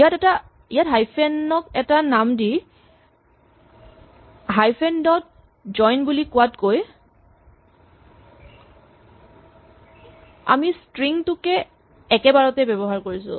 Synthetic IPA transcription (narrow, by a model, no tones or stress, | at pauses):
ijatɛta | ijatɦajpʰɛnɔkɛtanamdi | ɦajpʰɛndɔt̚ | zɔjnbulikʊwatkoj | a̰mistɹiŋtʊkɛ | ɛkɛbaɹɔtɛbɛbɔɦaɹkoɹisʊ̰̃